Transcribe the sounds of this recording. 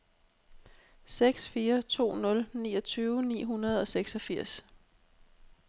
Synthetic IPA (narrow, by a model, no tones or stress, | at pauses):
seɡ̥sfiːɐt͡sʰo̝̰ːnɔ̽lnḭːɒ̽t͡sʰyːʊənḭːɦunɐð̞̩ˠɒ̽seɡ̥sɒfiɐ̰s